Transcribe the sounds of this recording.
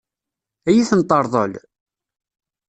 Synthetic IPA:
æjiθənt̪ˤːəɾˤðˤə̰l

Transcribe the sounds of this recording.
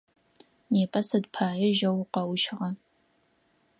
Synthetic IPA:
neːpʼɐsɐdpʰaːjɛʒɐwqɐwʃʁɐ

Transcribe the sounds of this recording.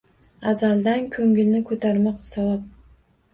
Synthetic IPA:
azalˠd̪ankʲʰɵŋɪlnɪkʰɵt̪ʰaɾmɑqsawap̚

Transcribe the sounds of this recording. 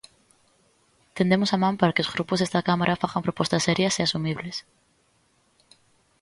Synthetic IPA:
t̪end̪emosamãmpaɾakeozɣɾupozðest̪akamaɾʔafaxampɾopost̪asːeɾjaseasumiβ̞les

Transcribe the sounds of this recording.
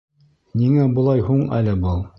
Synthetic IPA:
niŋæbŏlˠɑjɦuɴælɘbɤlˠ

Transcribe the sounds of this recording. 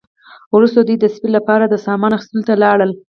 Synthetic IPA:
wɾust̪od̪ujd̪əspillːapɑɾad̪əsɑmɑnaxi̥st̪əlot̪alɑɽəl

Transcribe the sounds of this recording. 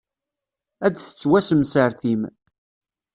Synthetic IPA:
æd̪θə̥t͡sːwæsəmsəɾθim

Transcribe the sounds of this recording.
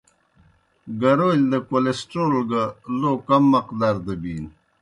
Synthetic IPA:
ɡɐɾold̪ɐkolesʈoːlɡaloːkɐmːɐqd̪aɾd̪əbiːn

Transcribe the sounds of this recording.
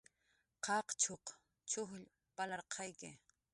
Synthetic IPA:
qɑqt͡ʃʰoq | t͡ʃʊχʎ | palɑɾqʰɑjkɪ

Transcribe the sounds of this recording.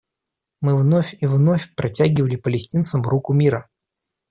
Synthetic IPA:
mɨvnofʲivno̞fʲpɾʔɐtʲæɡʲɪvəlʲɪpəlʲɪsʲtʲint̪səmɾukʊmʲiɾə

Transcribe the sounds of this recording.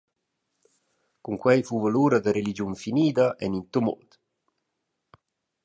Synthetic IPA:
kuŋkwɛjfuːvaluːɾad̪aɾelid͡ʒunfiniːd̪aʔɛnint̪umo̰d̪

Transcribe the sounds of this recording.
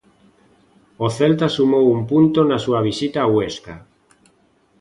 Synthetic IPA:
oθelt̪asumowumpunt̪onasuaβ̞isit̪aːweska

